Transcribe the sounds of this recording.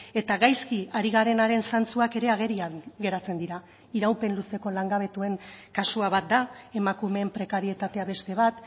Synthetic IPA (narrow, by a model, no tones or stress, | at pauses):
e̞t̪aɣajskiaɾiɣaɾe̞naɾe̞nsant͡suake̞ɾe̞aɣ̞e̞ɾiaɣe̞ɾat͡se̞nd̪iɾa | iɾawpe̞nluse̞ko̞laŋɡaβe̞t̪ue̞ŋkasuaβat̪̚d̪ae̞makume̞mpɾe̞kaɾie̞t̪at̪e̞aβe̞st̪e̞β̞at̪